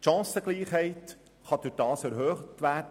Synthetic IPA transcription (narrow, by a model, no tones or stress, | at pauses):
ʃɑ̃ːsəɡ̥liːχhɛɪt | χɑd̥̪ʊɾd̥ɑːsæɾɦøːχtʋæːd